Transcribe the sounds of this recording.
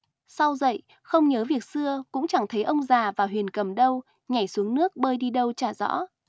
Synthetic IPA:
sa˧wzə̰˧˨j | xə˧wŋ͡mɲəː˨˦vi˨˩ək̚sɨ˧əkʊ̰˧˥ŋ͡mt͡ɕa˧˩ŋt̪ʰə˨˦jʔə˧wŋ͡mzaː˨˩vaː˨˩ɦwi˨˩ənkə˨˧˩mɗə˧w | ɲa˨˩jsu˨˦əŋnɨ˦˥ək̚ɓəː˧jɗi˧ɗə˧wt͡ɕaː˧˩zɔ̰˧˥

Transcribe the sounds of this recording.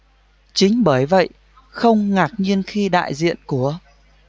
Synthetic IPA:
t͡ɕï˨˦ŋ̟ɓəː˧˩jvə̰˧˨j | xə˧wŋ͡mŋaː˨˩k̚ɲi˧ənxi˧ɗa̰ː˧˨jzḭ˧˨ənku˧˩ə

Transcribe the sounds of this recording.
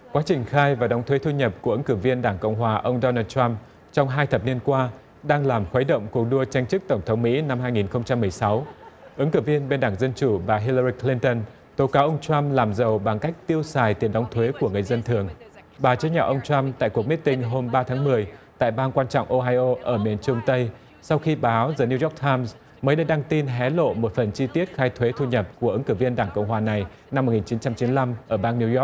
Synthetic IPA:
kwa˨˦t͡ɕï˨˩ŋ̟xaː˧jvaː˨˩ɗa˨˦wŋ͡mt̪ʰwe˨˦t̪ʰu˧ɲə˨˩p̚ku˧˩əʔɨ˨˦ŋkɨ˧˩vi˧ənɗaː˧˩ŋkə̰˧˨wŋ͡mɦwaː˨˩ʔə˧wŋ͡mɗɔ˧naː˧t̚t͡ɕwa˧m | t͡ɕɔ˧wŋ͡mɦaː˧jt̪ʰə˨˩p̚ni˧ənkwaː˧ | ɗaː˧ŋlaː˨˩mxwə˨˦jɗə̰˧˨wŋ͡mku˨˩ək̚ɗu˧ət͡ɕa˧jŋ̟t͡ɕɨ˦˥k̚t̪ə˧˩ŋ͡mt̪ʰə˨˦wŋ͡mmḭ˧˥na˧mhaː˧jŋi˨˩nxə˧wŋ͡mt͡ɕa˧mːɨ˨˩əjsa˨˦wʔɨ˨˦ŋkɨ˧˩vi˧ənɓe˧nɗaː˧˩ŋzə˧nt͡ɕu˧˩ɓaː˨˩ɦi˧lə˧ɾi˧kli˧nt̪ə˧n | t̪o˨˦kaː˨˦ʔə˧wŋ͡mt͡ɕwa˧mlaː˨˩mzə˨˩wɓa˨˩ŋka˦˥jk̟̚t̪i˧əwsaː˨˩jt̪i˨˩ənɗɔ˨˦wŋ͡mt̪ʰwe˨˦ku˧˩əŋɨ˨˩əjzə˧nt̪ʰɨ˨˩əŋ | ɓaː˨˩t͡ɕɨ˨˦ɲɔ̰˨˩ʔə˧wŋ͡mt͡ɕwa˧mt̪a̰ː˧˨jku˨˩ək̚mi˦˥t̚t̪ï˧ŋ̟ɦo˧mɓaː˧t̪ʰaː˨˦ŋmɨ˨˩əjt̪a̰ː˧˨jɓaː˧nkwaː˧nt͡ɕɔ̰˧˨wŋ͡mʔo˧ɦaː˧jʔo˧ʔəː˧˩mi˨˩ənt͡ɕʊ˧ŋ͡mt̪ə˧j | sa˧wxi˧ɓaː˨˦wzəː˨˩ni˧wjɔ˦˥k̚t̪ʰaː˧mz | məː˨˦jɗə˧jɗaː˧ŋt̪i˧nɦɛ˨˦lo̰˧˨mo˨˩t̚fə˨˩nt͡ɕi˧t̪i˦˥ət̚xaː˧jt̪ʰwe˨˦t̪ʰu˧ɲə˨˩p̚ku˧˩əʔɨ˨˦ŋkɨ˧˩vi˧ənɗaː˧˩ŋkə̰˧˨wŋ͡mɦwaː˨˩na˨˩j | na˧mːo˨˩t̚ŋi˨˩t͡ɕi˨˦nt͡ɕa˧mt͡ɕi˨˦nla˧mʔəː˧˩ɓaː˧nːi˧zɔ˦˥

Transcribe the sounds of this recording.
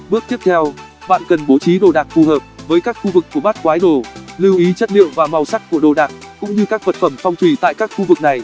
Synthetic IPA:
ɓɨ˦˥ək̚t̪i˦˥əp̚t̪ʰɛ˧w | ɓa̰ː˧˨nkə˨˩nɓo˨˦t͡ɕi˨˦ɗo˨˩ɗaː˨˩k̚fu˨˩həː˨˩p̚vəː˨˦jkaː˦˥k̚xu˧vɨ˨˩k̚ːu˧˩əɓaː˦˥t̚kwaː˨˦jɗo˨˩li˧wʔi˨˦t͡ɕə˦˥t̚lḭ˧˨wvaː˨˩ma˨˩wsa˦˥jk̚kːu˧˩əɗo˨˩ɗaː˨˩k̚kʊ̰˧˥ŋ͡mɲɨ˧kaː˦˥k̚və˨˩t̚fə˧˩mfɔ˧wŋ͡mt̪ʰwi˧˩t̪a̰ː˧˨jkaː˦˥k̚xu˧vɨ˨˩k̚na˨˩j

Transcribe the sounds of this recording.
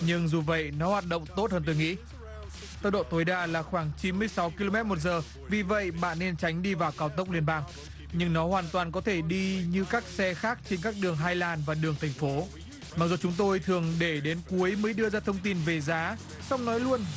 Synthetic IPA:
ɲɨ˧ŋzu˨˩və̰˧˨jnɔ˨˦hwaː˨˩t̚ɗə̰˧˨wŋ͡mt̪o˦˥t̚həː˧nt̪o˧jŋḭ˧˥ | t̪ə˦˥w̚ɗo̰˧˨t̪o˨˦jɗaː˧laː˨˩xwaː˧˩ŋt͡ɕi˨˦nmɨ˧əjsa˨˦wki˧lo˧mɛ˦˥t̚mo˨˩t̬̚zəː˨˩ | vi˨˩və̰˧˨jɓa̰ː˧˨nːe˧nt͡ɕa˨˦jŋ̟ɗi˧vaː˨˩wkaː˨˦wt̪ə˦˥k͡p̚li˧ənɓaː˧ŋ | ɲɨ˧ŋnɔ˨˦hwaː˨˩nt̪waː˨˩nk̬ɔ˨˦t̪ʰe˧˩ɗi˧ɲɨ˧kaː˦˥k̚sɛ˧xaː˦˥k̚t͡ɕe˧nkaː˦˥k̚ɗɨ˨˩əŋɦaː˧jlaː˨˩nvaː˨˩ɗɨ˨˩əŋt̪ʰɛ˨˩jŋ̟fo˨˦ | ma˨˩k̚zu˨˩t͡ɕʊ˨˦ŋ͡mt̪o˧jt̪ʰɨ˨˩əŋɗe˧˩ɗe˨˦nku˨˦əjməː˨˦jɗɨ˧əzaː˧t̪ʰə˧wŋ͡mt̪i˧nve˨˩zaː˨˦ | sa˧wŋ͡mnɔ˨˦jlu˧ən

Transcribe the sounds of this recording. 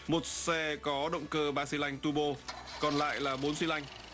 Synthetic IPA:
mo˨˩t̚sɛ˧kɔ˨˦ɗə̰˧˨wŋ͡mkəː˧ɓaː˧si˧la˧jŋ̟t̪u˧ɓo˧ | kɔ˨˩nla̰ː˧˨jlaː˨˩ɓo˨˦nsi˧la˧jŋ̟

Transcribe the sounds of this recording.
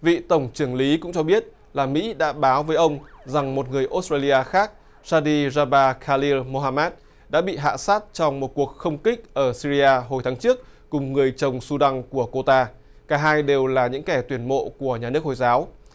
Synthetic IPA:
vḭ˧˨t̪ə˧˩wŋ͡mt͡ɕɨ˧˩əŋli˨˦kʊ̰˧˥ŋ͡mt͡ɕɔ˧ɓi˦˥ət̚ | laː˨˩mḭ˧˥ɗa̰ː˧˥ɓaː˨˦wvəː˨˦jʔə˧wŋ͡mza˨˩ŋmo˨˩t̚ŋɨ˨˩əjʔo˦˥staː˧li˧aː˧xaː˦˥k̚ | saː˧ɗi˧zaː˧ɓaː˧kʰaː˧li˧lmo˧ɦaː˧mɛː˦˥t̚ | ɗa̰ː˧˥ɓḭ˧˨ɦa̰ː˧˨saː˦˥t̚t͡ɕɔ˧wŋ͡mmo˨˩t̚ku˨˩ək̚xə˧wŋ͡mkï˦˥k̟̚ʔəː˧˩si˧zi˧aː˧ɦo˨˩jt̪ʰaː˨˦ŋt͡ɕɨ˦˥ək̚ːʊ˨˩ŋ͡mŋɨ˨˩əjt͡ɕə˨˩wŋ͡msu˧ɗa˧ŋku˧˩əko˧t̪aː˧ | kaː˧˩ɦaː˧jɗe˨˩wlaː˨˩ɲɨ̰˧˥ŋkɛ˧˩t̪wi˧˩ənmo̰˧˨ku˧˩əɲaː˨˩nɨ˦˥ək̚ho˧˩jzaː˨˦w

